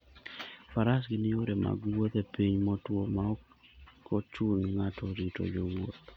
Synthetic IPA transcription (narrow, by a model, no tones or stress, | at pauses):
faɾasɡɪnɪoɾema̰ɡwot̪epiɲmɔtwomaɔ | kʰɔt͡ʃʊnŋatʰɔɾito̰d͡ʒowo̰t̪